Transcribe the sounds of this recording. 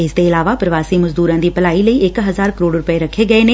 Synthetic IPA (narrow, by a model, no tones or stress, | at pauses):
ɪst̪eɪlaːʋapɾɐʋaːsimɐzd̪uːɾãːd̪iːpɐlaːiləiʔɪkɦɐzaːɾkəɾoːɖɾʊpeɾɐkʰːeɡɐenẽː